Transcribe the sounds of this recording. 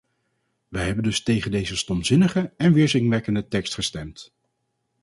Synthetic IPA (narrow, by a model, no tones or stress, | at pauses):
ʋəjɦɛbəndɵstejχəndejzəstɔmzɪnəχəɛnʋɪːɹzɪŋʋɛkəndətɛkstχəstɛmt